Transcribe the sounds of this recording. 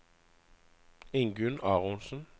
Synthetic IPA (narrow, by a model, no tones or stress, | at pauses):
ɪŋɡʉnɑːʁʊnsən̩